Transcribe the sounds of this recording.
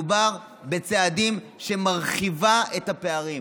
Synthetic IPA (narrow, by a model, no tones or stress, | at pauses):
ubaʁ | be̞t͡seadim | ʃe̞maʁχivaethape̞aʁi